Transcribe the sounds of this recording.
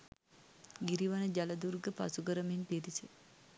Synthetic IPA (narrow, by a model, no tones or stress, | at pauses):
ɡiɾiʋanəd͡ʒaləd̪uɾɡəpa̰suɡəɾəminpiɾise